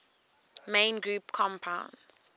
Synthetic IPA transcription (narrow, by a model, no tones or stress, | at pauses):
mẽːnɡɹuːpkʰɔ̃mpʰãʊ̃nz̥